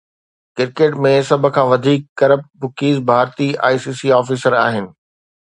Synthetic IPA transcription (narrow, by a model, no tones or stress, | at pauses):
kɪɾkeːʈmẽsɐb̆ʱkʰãːʋɐd̪ʱiːkːɐɾəp̚ʈ̚bʊkiːzbʱaːɾt̪ia̰ːisiːsiɔːfiːsəɾa̰ːɦɪnɪ̆